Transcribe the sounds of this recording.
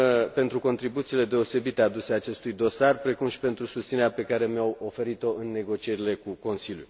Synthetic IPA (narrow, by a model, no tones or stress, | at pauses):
pe̞nt̪ɾuko̞nt̪ɾibut̪siːle̞d̪e̞o̞se̞bit̪ead̪useaːt͡ʃe̞st̪ujd̪o̞sarpɾe̞kumʃi̥pe̞nt̪ɾusust̪sine̞ɾape̞kaɾe̞mjawo̞fe̞ɾit̪o̞ʔɨnːe̞ɡo̞t͡ʃije̞ɾile̞kuko̞nsiljṵ